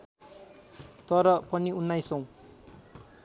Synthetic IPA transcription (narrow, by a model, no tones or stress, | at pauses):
t̪ʌɾʌpʌniunːajsʌ̃w̃